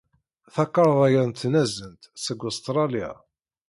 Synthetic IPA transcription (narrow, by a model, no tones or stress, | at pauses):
θɑqːɑɾˤðˤæjəɾnt̪ːnæzənt̪səɡost̪ɾˤɑlija̰